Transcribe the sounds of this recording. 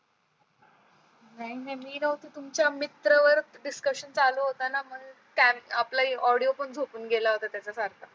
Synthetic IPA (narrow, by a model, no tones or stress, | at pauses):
nainamiːnəɦut̪it̪umt͡ɕjamit̪ɾəʋəɾɖiskəɕənt͡saloɦot̪anaməɡt̪jaaplaiɔɽijopəɳd͡zʱopuːnɡelaɦot̪at̪jat͡sasaɾt̪ʰa